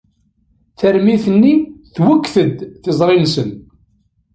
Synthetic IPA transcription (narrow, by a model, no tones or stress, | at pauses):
θæɾmiθənːiθwəkːθəd̪θɪzˤɾˤinsən